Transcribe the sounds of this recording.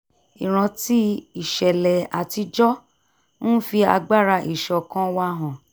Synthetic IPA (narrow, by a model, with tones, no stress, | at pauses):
i˨ɾ̃ã˧ti˦i˨ʃɛ˨lɛ˨a̰˨ti˧d͡ʒɔ˦ | nũ˦fi˧a̰˧ɡ͡ba˦˨ɾa˧˨ʔi˨ʃɔ˨kã˦wa˦ɦã˨